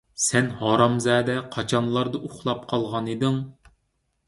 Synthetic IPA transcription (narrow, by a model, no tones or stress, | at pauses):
sɛnhɑːɾɑmzɛːd̪ɛqʰɑt͡ʃʰɑnlˠɑɾd̪ɑʔuχlˠɑp̚qʰɑlˠʁɑnid̪ɨŋ